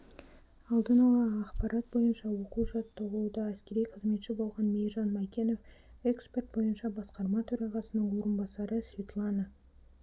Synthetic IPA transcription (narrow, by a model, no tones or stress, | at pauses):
ɑlˠd̪ənɑlˠɑɑqpɑɾʔɑt̪̚bo̞jənʃɑwo̞quwʒɑt̪ːəʁəlˠud̪əæskʲe̞ɾijqʰəzme̞t̪ʃɪbo̞lˠʁɑnmejrʒɑnmɑkʲe̞no̞fe̞kspʲe̞rt̪̚bo̞jənʃɑbɑsqɑɾmɑt̪ʰɵɾɑʁɑsənəɴwo̞ɾənbɑsɑɾəsvʲet̪lˠɑnə